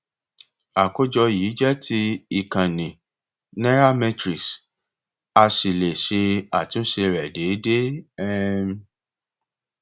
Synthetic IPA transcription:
a˨ko˦d͡ʒɔ˧jiː˨˦d͡ʒɛ˦tʰi˧˦i˨kã˨nĩ˨ | ne˦ɾa˦mɛ̃˧tɾi˨s | a˧si˨le˨ʃe˧a˨tũ˨˦ʃe˧ɾɛ˨de˨˦de˦ɛ˦m˦

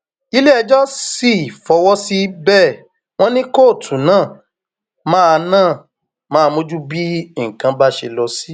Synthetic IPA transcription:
i˨˦le˦ɛ˧d͡ʒɔ˦si˦˨fɔ˧wɔ˦si˦bɛ˦˨ | w̃ɔ̃˦nĩ˦ko˦˨tʰũ˨˦nãː˦˨ | mãː˦˧nãː˦˨ | mãː˦˧mo˦d͡ʒu˦bi˦i˦˨kã˧ba˦ʃe˧lɔ˧si˦

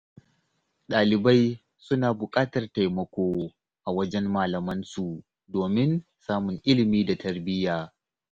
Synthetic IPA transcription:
ɗaː˨lɪ˨ba˦j | sʊ˦naː˨bʊ˨kʼaː˦tɐ˨rta˨jmɐ˦kʷoː˦ | ʔa˨wɐ˦d͡ʒɛ˦mːaː˨lɐ˨mɐ˦nsu˨ | doː˨mɪ˦n | saː˦mʊ˨ŋʔɪ˦lɪ˨miː˦da˨tʰɐ˦rbɪ˦jaː˨

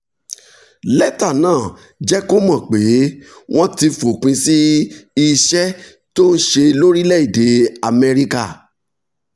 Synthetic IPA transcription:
lɛ˦ta˦˨nãː˦˨ | d͡ʒɛ˦ko˦mɔ̃˦˨k͡pe˨˦w̃ɔ̃˦ti˧fo˨k͡pĩ˧si˦i˧ʃɛ˦ | to˦n̩˦ʃe˧lo˦ɾi˦lɛ˦i˦˨de˨˦a˨mɛ˧ɾi˦ka˦˨

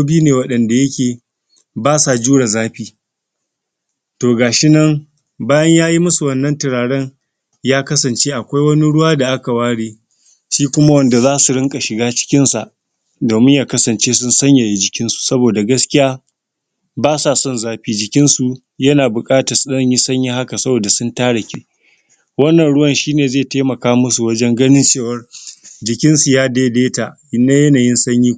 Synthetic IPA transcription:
buː˦neː˨wɐ˦ɗɐ˨nda˨jɐ˦kʲeː˨ | baː˦sa˨d͡ʒuː˦ɽa˨zaː˦ɸiː˦ | toː˨ɡaː˨ʃɪ˦nɐ˦ŋ | baː˦jɐ˦ɲjaː˦ji˦mʊ˦su˨wɐ˦nːɐ˦ntɪ˨ɽaː˨ɽɛ˦ŋ | jaː˦kɐ˦sɐ˨nt͡ʃeː˦ʔa˨kʷa˦jwɐ˦ni˦ɽʊ˦waː˦da˨ʔa˦ka˨waː˦ɽiː˦ | ʃiː˦kʷʊ˦ma˦wɐ˦nda˨zaː˦su˨ɽɪ˦ŋkʼa˨ʃɪ˨ɡaː˦t͡ʃɪ̥˦kʲɪ˦nsa̰˨ʔ | doː˨mɪ˦ɲjaː˨kɐ˦sɐ˨nt͡ʃeː˦sʊ˦nsɐ˦ɲja˨ji˦d͡ʒɪ˨kʲɪ˦nsu̥˨sɐ˦boː˨da˨ɡɐ˦skʲɪ˦jaː˦ | baː˦sa˨sɔ˦nzaː˦ɸiː˦d͡ʒɪ˨kʲɪ˦nsu˨ | jɐ˦naː˨bʊ˨kʼaː˦tɐ˨sɐ˦ɲji˦sɐ˦ɲji˦ha˦ka˨sɐ˦boː˨da˨sʊ˦ntaː˦ɽɐ˨kʲiː˦ | wɐ˦nːɐ˨nɽʊ˦wɐ˦˨nʃiː˦neː˨zeː˦˨teː˦mɐ˨kaː˦mʊ˦su˨wɐ˦d͡ʒɛ˦ŋɡɐ˦nɪ˦nt͡ʃeː˦˨wɐ˦rd͡ʒɪ˨kʲɪ˦nsu˨jaː˦deː˦deː˦ta˨ʔ | ɪ˨nːa˦jɐ˦naː˨jɪ˦nsɐ˦ɲjiː˦

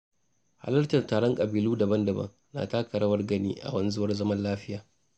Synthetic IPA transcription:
ha̰˦lɐ˦rtɐ˨ntaː˨ɽɔ˦ŋkʼɐ˨biː˨luː˦dɐ˨bɐ˦ndɐ˨bɐ̰˦ŋ | na̰˨taː˦kɐ˨ɾɐ˦wɐ˦rɡɐ˦nḭː˦ʔa̰˨wɐ˦nzʊ˦wɐ˦rzɐ˦mɐ˦nlaː˦ɸɪ˦jaː˨

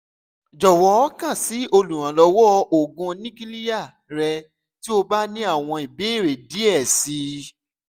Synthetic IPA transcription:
d͡ʒɔ˨wɔ˨˦kã˦˨si˨˦o˧lũ˨ɾ̃ã˨lɔ˧wɔ˦o˨ɡũ˧nĩ˦ki˦li˦a˦˨ | ɾɛ˧ | ti˦o˧ba˦nĩ˦a˦˨w̃ɔ̃˧i˨be˨˦˨ɾe˨di˨˦ɛ˦˨si˧

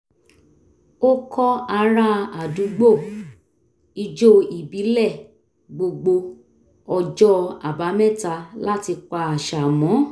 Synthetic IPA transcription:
o˦kʰɔ˦a˧ɾa˦a˨dũ˨˦ɡ͡bo˦˨ | i˧d͡ʒo˦i˨bi˨˦lɛ˦˨ | ɡ͡bo˧ɡ͡bo˧ | ɔ˧d͡ʒɔ˦a̰˨ba˨˦mɛ̃˦˨ta˧la˦ti˧k͡pa˧a˨ʃa˨mɔ̃˨˦

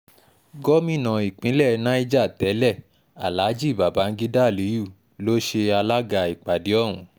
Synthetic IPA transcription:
ɡɔ˦mĩ˦˨nã˨i˨k͡pĩ˨˦lɛ˦˨˦nã˦i˦d͡ʒa˦˨tɛ˨˦lɛ˦˨ | a̰˨la˨˦d͡ʒi˦˨ba˨ba˨˦n̩˦ɡi˦da˦˨li˨˦ju˦˨ | lo˦ʃe˧a˧la˦ɡa˧˨i˨k͡pa˨di˨˦ɔ˦˨wũ˨˦

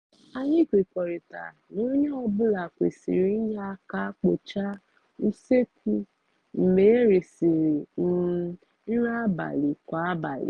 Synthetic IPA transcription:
a˦ɲɪ˦kʷe˨kʷɔ˨ɾi˨ta̰˨ | no˦ɲe˦ɔ˦bʊ˦la˨kʷḛ˨sḭ˨ɾi˨n̩˦ɲa˦ka˦k͡po˨t͡ʃa˦ | u˦se˦ku˦ | n̩˨le˨e˦ɾe˨si˨ɾe˨n̩˨˦ | n̩˦ɾa˦ba̰˨li˨kʷa˨˦a˦ba̰˨lḭ˨

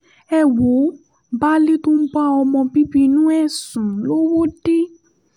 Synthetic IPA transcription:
ɛ˦˨wo˨˦ | ba˦li˦tu˦m̩˦ɡ͡ba˦ɔ˧mɔ̃˧bi˦bi˦˧nũ˦ɛ˦˨sũ˨˦lo˦wo˦di˦

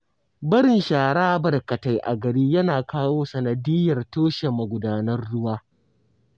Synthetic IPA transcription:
bɐ˦ɽɪ˨nʃaː˨ɽaː˦bɐ˨rkɐ˨ta˨jʔa̰˨ɡɐ˨ɽiː˦jɐ˦naː˨kaː˦woː˦sɐ˨nɐ˨dɪ˦jɐ˨rtoː˦ʃe˨mɐ˨ɡʷʊ˨daː˨nɐ˦rɽʊ˦waː˦

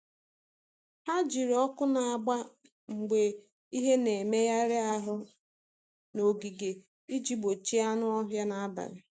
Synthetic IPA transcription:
ha˦d͡ʒi˨ɾɔ˦kʊ˦na˨a˨ɡ͡ba˦ | ŋ͡m̩˨ɡ͡be˨ | i˦ɦe˦ne˨me˦ja˦ɾɪ˦a˦ɦʊ˦ | no˨ɡi˨ɡe˨ | i˦d͡ʒi˦ɡ͡bo˨t͡ʃi˦a˦nʊ˦ɔ˦ɦja˦na˦a˦ba̰˨ɾɪ˨

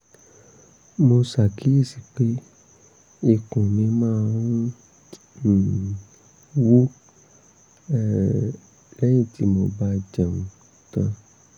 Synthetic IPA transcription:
mo˧sa˨kʰi˨˦i˦˨si˨k͡pe˦ | i˧˨kũ˨nĩ˧˦mãː˦˨˧ɾũ˦˨ | wu˦ | ɛ˦˨ | lɛ˦j̃ĩ˦˨ti˦mo˧ba˧d͡ʒã˨mũ˨˦ | tã˧

